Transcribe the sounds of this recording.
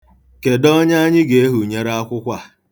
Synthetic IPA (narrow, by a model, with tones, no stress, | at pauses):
ke˨dɔ˦ɲa˦ɲɪ˦ɡe˨˦ɦu˨ɲe˦ɾa˦a˦kʷʊ˦kʷa˨